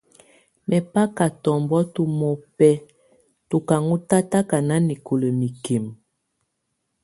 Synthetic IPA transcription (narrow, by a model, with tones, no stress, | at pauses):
mɛ˨pa˦ka˨tɔ˨mbɔ˦tu˦mo˨pɛ˦ | tu˨ka˨ŋu˦ta˦ta˦ka˨na˦ni˨ko˨lə˨mi˨ke˨m